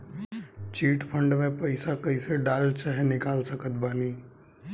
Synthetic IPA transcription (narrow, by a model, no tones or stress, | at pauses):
t͡ʃiːʈpʰə̃ɳɖmẽpɐɪsakəɪseɖaːlt͡ʃaɦenɪkaːlsəkət̪̚baːniː